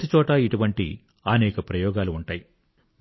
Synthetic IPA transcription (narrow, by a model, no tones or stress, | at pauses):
t̪it͡ʃɔːʈɐiʈuʋɐɳʈḭ | ɐnɛːkɐpɾɐjɔːɡaːluːɳʈaːji